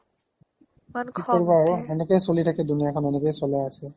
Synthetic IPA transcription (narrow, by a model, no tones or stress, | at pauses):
kikɔɹbaoɛnekɔjsolitʰakɛdunijakʰɔnɛnekɔjsɔlajasɛ